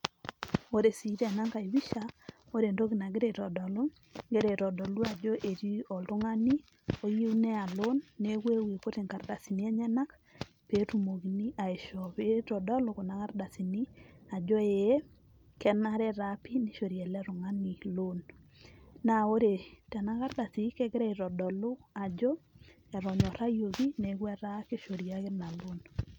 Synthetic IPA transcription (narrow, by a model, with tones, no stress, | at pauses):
o˦ɾe˨si˨˦ɾɛ˨na˦ŋka˨i˨wi˦ʃa˦ | o˦ɾe˨ndo˦ɡi˨na˨ɡe˦ɾe˨tɔ˨dɔ˨lʊ˦ | ŋɡe˦ɾe˨ɾɔ˨dɔ˨lu˦a˨d͡ʒɔ˦ʔe˨ɾi˦ɔ˨ltʊ˦ŋa˦ni˦ | o˦ji˦u˦nɛ˦a˨lo˦nːe˦we˦we˨ko˦te˨ŋka˨rda˨si˨ni˦ɛ˦ɲɛ˦na˦k | pe˨˦tu˨mo˨ɡi˨ni˦ʔa˨e˨ʃɔ˨pe˦tɔ˨dɔ˦lʊ˦kʊ˨na˨ka˦ɾda˨si˨ni˦a˨d͡ʒɔ˦e˨e˦ | kɛ˨na˦ɾɛ˦ɾapi˦ni˦ʃo˨ɾjɛ˨lɛ˦ɾʊ˨ŋa˦ni˨lo˦nː | a˨o˦ɾe˨tɛ˨na˦ka˦rda˨si˨˦kɛ˦ɡɾɛ˦ɪ˨ɾɔ˨dɔ˨lʊ˦a˨d͡ʒɔ˦ | ɛ˨ɾɔ˨ɲɔ˨ɾa˦jo˨ɡi˦ne˨˦ɡwɛ˦ɾa˦ke˦ʃo˨ɾja˦kɪ˦na˨lo˦n